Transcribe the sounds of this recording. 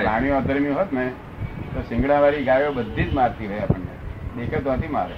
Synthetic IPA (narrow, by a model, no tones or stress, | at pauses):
laɽ̃ijõət̪əɾmjũɦot̪ne | t̪osɪ̃ŋɡɽãʋaɾiɡajobəd̪ʱːid͡ʒmaɾt̪iɾəɦeapəɳnḛd̪ekʰet̪oʋat̪ʰima̰ɾḛ